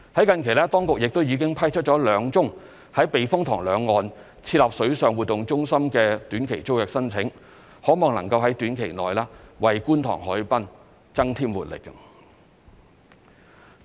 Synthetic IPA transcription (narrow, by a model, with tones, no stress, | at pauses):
hɐ˨˥jkɐ˨˧nkʰe˨˩jlɛː˥t̪ɔː˥ŋkʊ˨k̚jɪ˨k̚t̪o˥wjiː˨˧kɪ˥ŋpʰɐ˥jt͡ʃʰɵ˥t̚t͡ʃɔː˨˥lœː˨˧ŋt͡sʊ˥ŋ | hɐ˨˥jpe˨jfʊ˥ŋt̪ʰɔ̰ː˨˩ŋlœː˨˧ŋːɔː˨n | t͡sʰiː˧t̚laː˨p̚sɵ˨˥ɥsœː˨ŋwu˨t̪̚ːʊ˨ŋt͡sʊ˥ŋsɐ˥mkɛː˧t̪yː˨˥nkʰe˨˩jt͡so˥wjɛː˨k̚sɐ˥nt͡sʰɪ˨˥ŋ | hɔː˨˥mɔː˨ŋnɐ˨˩ŋkɐ˧wɦɐ˨˥jt̪yː˨˥nkʰe˨˩jnɔ̰ː˨jlaː˥wɐ˨jkuː˥nt̪ʰɔ̰ː˨˩ŋhɔː˨˥jpɐ˥n | t͡sɐ˥ŋt̪ʰiː˥mwuː˨t̚lɪ̰˨kːɐ˧